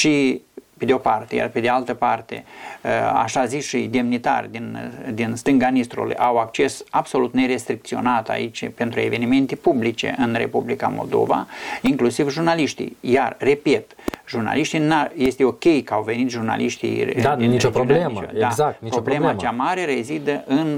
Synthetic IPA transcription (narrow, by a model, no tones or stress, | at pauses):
ʃiped̪eopart̪e̞ja̰rpe̞d̪ealt̪əpart̪e̞̰ | a̰ʃaziʃijd̪e̞mnit̪a̰rʲd̪ind̪inst̪ɨŋɡanist̪ɾṵlṵjʔawak̚t͡ʃe̞sabso̞lut̪ne̞ɾe̞st̪ɾik̚t̪sio̞̰nat̪a̰it͡ʃʲpe̞nt̪ɾue̞ve̞nime̞nt̪epublit͡ʃe̞̰ʔɨnre̞̰publika̰mo̞̰ld̪o̞̰va̰iŋklusivʒurnaliʃt̪ḭjarːe̞pet̪ʒurna̰liʃt̪inaje̞st̪eo̞kʲe̞jkəawve̞nit̪ʒurna̰lʔiʃt̪ḭjanioɾlemət͡ʃod̪aapɾoblemət͡ʃamaɾe̞re̞zid̪əʔɨn